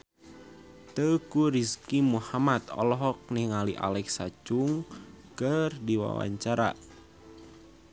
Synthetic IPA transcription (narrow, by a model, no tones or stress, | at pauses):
t̪əkuɾiskimuhamat̪ɔ̰lɔɦɔk̚nihŋaliʔa̰lɛksat͡ʃuŋ | kərdiwa̰wa̰ɲt͡ʃaɾa̰